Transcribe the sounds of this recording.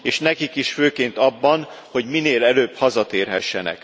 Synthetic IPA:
eːʃnɛkikiʃføːkeːnt̪ɒbːɒn | ho̞ɟmineːlɛløːbhɒzɒt̪eːrɦɛʃːɛnɛ̰k

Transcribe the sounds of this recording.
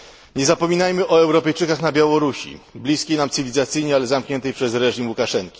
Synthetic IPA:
ɲɛzapɔmʲinajmɘʔɔɛwɾɔpɛjt͡ʂɘkaxnabʲjawɔɾuɕḭblʲiskʲejnamt̪sɘvʲlʲizat̪sɘjɲɛalɛzamkɲɛnt̪ɛjpʂɛsɾɛʐimwukaʂɛŋkʲi̥

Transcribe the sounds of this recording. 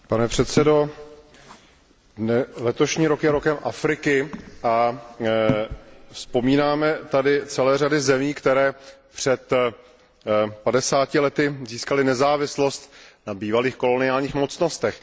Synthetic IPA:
panɛpr̝̥ɛt̪sɛdo̞ | ɛlɛt̪o̞ʃɲiːɾo̞kjɛɾo̞kɛmʔafɾɪkɪʔa | fspo̞miːnaːmɛt̪adɪt͡sɛlɛːradɪzɛmiːkt̪ɛɾɛːpr̝̥ɛt̪ | padɛsaːcɪlɛt̪ɪziːskalɪnɛzaːvɪslo̞st̪nabiːvaliːxko̞lo̞nɪaːlɲiːxmo̞t͡sno̞st̪ɛx

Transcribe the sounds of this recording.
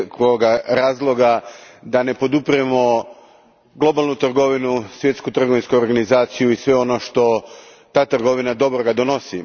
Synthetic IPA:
koɡaɾaːzlˠo̞ɡad̪ane̞po̞d̪upɾiemo̞ | ɡlˠo̞balˠnut̪r̩ɡo̞ʋinusʋje̞t̪skut̪r̩ɡoʋinskuoɾɡanizaːt̪sijuisʋe̞o̞no̞ʃt̪o̞ | t̪aːt̪r̩ɡo̞ʋinad̪o̞bɾoɡad̪o̞no̞si

